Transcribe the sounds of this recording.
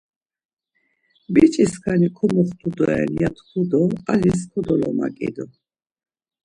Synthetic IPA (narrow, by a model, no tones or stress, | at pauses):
bit͡ʃʼiskʰanikʰɔmɔχt̪ʰud̪ɔɛ̰nijat̪ʰkʰud̪ɔaliskʰɔd̪ɔlɔma̰kʼḭd̪ɔ